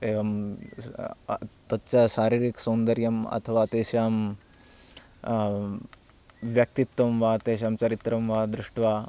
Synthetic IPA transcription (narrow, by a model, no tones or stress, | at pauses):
eːʋɐm | t̪ɐtːt͡ʃɐʃaːɾiːɾiksɐːnd̪ɐɾjɐmɐ̰t̪ʰɐʋaːt̪eːʃjaːm | ʋjɐk̚t̪it̪wɐmʋaːt̪eːʃ̬jaːmt͡ʃɐɾit̪ɾɐmʋaːd̪ɾuʂʈʋaː